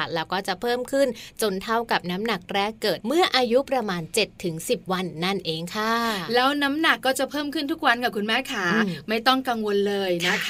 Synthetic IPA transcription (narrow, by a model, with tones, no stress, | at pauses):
lɛː˦˥wkɔː˥˩t͡ɕa˨˩pʰɤː˥˩mkʰɯ˥˩nt͡ɕo˧nt̪ʰa˥˩wka˨˩p̚na˦˥mna˨˩k̚ɾɛː˥˩kːɤː˨˩t̪̚mɯ˥˩ɐʔaː˧ju˦˥pɾa˧maː˧nt͡ɕe˨˩t̪ʰːɯ˩˦ŋsi˨˩p̚wa˧nːa˥˩nʔeː˧ŋkʰa˥˩lɛː˦˥wna˦˥mna˨˩kːɔː˥˩t͡ɕa˨˩pʰɤː˥˩mkʰɯ˥˩nt̪ʰu˦˥k̚wa˧nka˨˩p̚kʰu˧nmɛː˦˥˩kʰaː˩˦ma˥˩jt̪ɔ˥˩ŋka˧ŋwo˧nlɤː˧jna˦˥